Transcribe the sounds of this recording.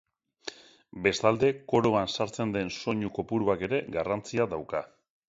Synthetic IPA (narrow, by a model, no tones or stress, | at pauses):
be̞st̪ald̪e̞ko̞ɾoansaɾt͡se̞nd̪e̞nso̞ɲuko̞puɾuake̞ɾe̞ɡarant͡siaðawka